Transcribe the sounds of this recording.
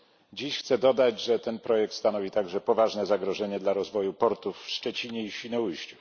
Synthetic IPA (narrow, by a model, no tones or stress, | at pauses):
d͡ʑiɕxt̪sɛd̪ɔd̪ad͡ʑʐɛt̪ɛnpɾɔjɛk̚t̪st̪anɔvʲit̪aɡʐɛpɔvaʐnɛzaɡɾɔʐɛɲɛd̪laɾɔzvɔjupɔɾt̪ufːʂt͡ʂɛt͡ɕiɲɛiɕʲinɔujɕt͡ɕu̥